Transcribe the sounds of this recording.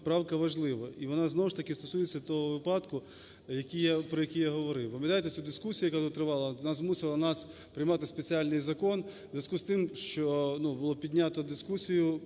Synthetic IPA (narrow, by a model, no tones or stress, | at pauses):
pɾɑwkɐʋɐʒlˠɪʋɐiʋɔnɑznɔwʊʃt̪ɐkɪst̪ɔsujet͡sʲːɐt̪ɔɦɔʋɪpɑd̪kʊ | jɐkʲijapɾɔjɐkʲijaɦɔʋɔɾɪwpɐmjɐt̪ajt̪ɛt͡sʲud̪ɪskusʲijɐkazɔt̪ɾɪʋɑlˠɐnɑzmusɪlˠɐnɑs | pɾɪjmɑt̪ɪspet͡sʲialʲnɪjzɐkɔnzzʲʋʲjɐskust̪ɪmʃt͡ʃɔnubʊlˠɔpʲid̪ʲnʲat̪ɔd̪ɪskusʲijʊ